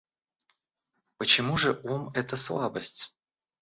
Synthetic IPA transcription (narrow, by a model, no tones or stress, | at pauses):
pət͡ɕɪmuʐɨʔomɛt̪əslˠabəsʲtʲ